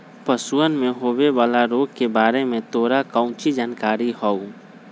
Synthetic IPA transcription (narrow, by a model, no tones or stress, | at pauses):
pəsuənmẽɦoːweʋaːlaɾoːɡ̚kebaːɾemẽt̪oːɾakə̃ʊ̃t͡ʃid͡ʒaːnkaːɾiɦɔu